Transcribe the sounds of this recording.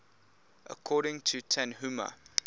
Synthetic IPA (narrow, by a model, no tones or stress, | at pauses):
ʔə̰kʰɔːɾɪ̃ŋtʰutʰɛ̃nɦumə̰